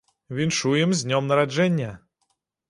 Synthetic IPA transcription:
vʲinʂujɪmzʲnʲɔmnɐɾad͡ʐɛnʲːɐ

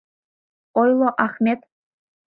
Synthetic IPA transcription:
ojlˠoʔaχmʲet̪

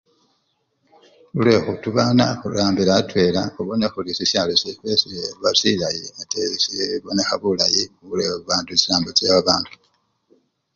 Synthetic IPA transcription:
ulwe̞xutuβaːnaxulaːmbiɾatwe̞laxuβonexulisisalosifesieβasilajiatesieβonexaβulajimuβuleβuβaːntuesilaːmbot͡seβaβaːntu̥

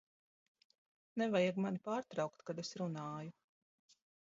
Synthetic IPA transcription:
nɛvajaɡmanipaːɾt̪ɾɑwkt̪kad̪esɾunaːju

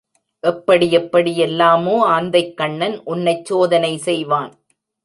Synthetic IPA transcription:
ʔɛpːɐɽiɛpːɐɽɪjɛlːaːmoːaːnd̪ɐɪkːɐɳːɐnʔʊnːɐɪt͡ʃːoːðɐnɐɪsɛjʋaːn

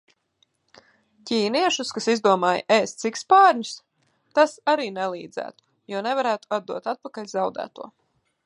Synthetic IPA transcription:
cʲiːniɛʃuskasizd̪uɔmaːj̰ʔeːst̪sikspaːɾɲus | t̪asaɾiːnɛlˠiːd̪zæ̰ːt̪u̥ | juɔnɛvaɾæːt̪u̥ad̪̚d̪uɔt̪at̪̚pakaʎʲzawd̪æ̰ːt̪uɔ

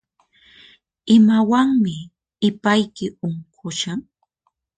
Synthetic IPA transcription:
ɪmawaŋmɪ | ɪpajkɪoɴqʊʃaŋ

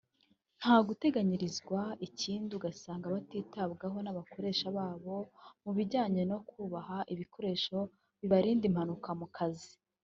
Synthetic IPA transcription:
n̥haːɡute̞ɡaɲiɾizɡwaiciːnduɡasaːŋɡaβatiːtab̚ɡaɦo̞naβakʰo̞ɾe̞ːʃaβaːβo̞muβiɟaːɲe̞no̞kuːβahaʔiβiko̞ɾe̞ːʃo̞ | βiβaɾiːndim̥hanukamukʰazi

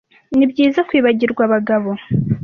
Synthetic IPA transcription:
nibɟiːzakwiːβaɟiɾɡwaβaɡaβo̞

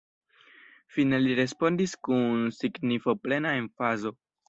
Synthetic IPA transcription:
fine̞liɾe̞spo̞ndiskunsiɡnifo̞ple̞naenfazo̞

